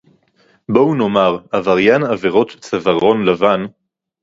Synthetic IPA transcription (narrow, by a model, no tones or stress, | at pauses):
bouno̞maʁavaʁjanaveʁo̞t̪t͡savaʁo̞nlavan